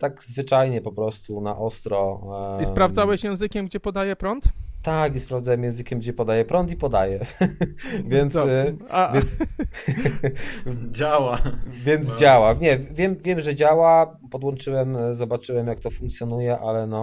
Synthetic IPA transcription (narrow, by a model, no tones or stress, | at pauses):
t̪aɡzvɘt͡ʂajɲɛpɔpɾɔst̪una̰ʔɔst̪ɾɔispɾavdzawɛɕjɛ̃w̃zɘkʲɛmɡd͡ʑɛpɔd̪ajɛpɾɔnt̪t̪akispɾavd̪zawɛmjɛ̃w̃zɘkʲɛmɡd͡ʑɛpɔd̪ajɛpɾɔnt̪ipɔd̪ajɛ | vʲjɛnt̪savjɛn | d͡ʑawavʲjɛnd̪zd͡ʑawaɲɛvʲjɛmvʲjɛmʐɛd͡ʑawa | pɔd̪wɔnt͡ʂɘwɛmzɔbat͡ʂɘwɛmjak̚t̪ɔfuŋk̚t̪sʲjɔnujɛʔalɛnɔ